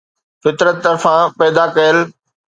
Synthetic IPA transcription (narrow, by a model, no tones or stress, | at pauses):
fɪt̪ɾət̪ːɐɾfãpɛːd̪akɐjəl